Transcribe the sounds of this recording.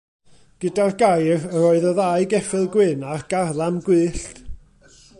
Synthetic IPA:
ɡ̥ədarɡajrəɾɔːɨðəðaɨɡɛfɪlˠɡwɪnarɡ̥arlˠamɡwɨːɬt

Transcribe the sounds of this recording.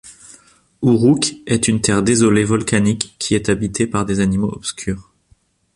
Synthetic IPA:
uʁukɛt̪ynt̪ɛʁd̪ezɔlevɔlkanikʰʲːiɛt̪abit̪ʰepaʁd̪ezanimoɔpskʲʰyːʁ

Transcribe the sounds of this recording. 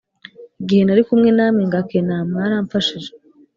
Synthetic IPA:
iɡihe̞naɾikumŋe̞naːmiŋɡakenaːmaɾaːɱfaʃiʒe

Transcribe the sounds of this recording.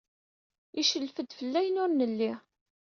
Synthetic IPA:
iʃəlfəd̪fəlːæjnʊɾnəlːi

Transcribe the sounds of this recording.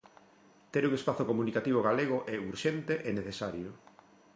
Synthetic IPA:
t̪eɾuŋespaθokomunikat̪iβ̞oɣ̞aleɣ̞ʊʔeuɾʃent̪eʔeneθesaɾjʊ

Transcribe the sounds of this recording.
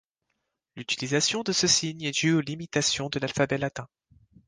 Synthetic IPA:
lyt̪ilizasjɔ̃d̪əsəsiɲɛd̪yolimit̪asjɔ̃d̪əlalfabɛlat̪ɛ̃

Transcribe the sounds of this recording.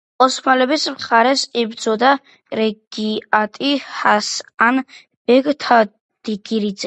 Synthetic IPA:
ɔsmalɛbismχaɾɛsibd̪zɔd̪a | ɾɛɡ̥iat̪ʼihasan | b̥ɛɡt̪ʰa | d̪̥iɡiɾid̪zɛ

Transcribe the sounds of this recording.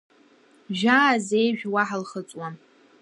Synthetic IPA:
ʒᶣaːzejʒᶣwaħalχət͡sʼwa

